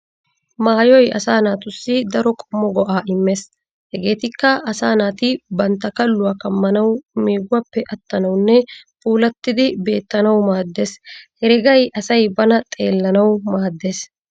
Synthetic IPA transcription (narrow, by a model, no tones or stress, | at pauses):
maːjɔjɐ̰saːnaːt̪ʊsːɪd̪ɐɾɔkʼɔmːɔɡɔʔaːʔɪmːe̞ːs | hɛɡe̞ːt̪ɪkːɐʔɐsaːnaːt̪ɪbɐnt̪ːɐkɐlːʊwaːkɐmːɐnɐwmeːɡʊwɐpːɛʔɐt̪ːɐnɐwnːɛpuːlɐt̪ːɪd̪ɪbe̞ːt̪ːɐnɐwmaːd̪ːe̞ːshɛɾɛɡɐjʔɐsɐjbɐnɐt̪ʼe̞ːlːɐnɐwmaːd̪ːe̞ːs